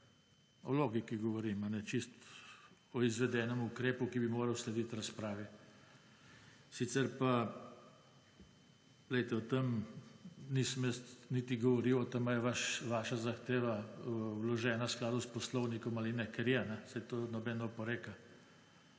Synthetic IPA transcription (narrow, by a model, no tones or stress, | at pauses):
ɔ̰loːɡikiɡɔʋɔɾimanɛt͡ʃist̪ | ɔizʋɛd̪ɛːnɛmukɾeːpukibimoːɾɐwslɛd̪it̪ɾaspɾaːʋɛ | sit̪sɛɾpa | lɛjt̪ɛɔt̪em | niːsəmjəst̪nit̪iɡɔʋɔɾiwɔt̪emajɛʋaʃʋaːʃazaxt̪eːʋawlɔʒɛːnasklaːd̪uspɔslɔwnikɔmalinɛkɛɾjɛnɛsajt̪oːnɔbɛnɔpɔɾeːka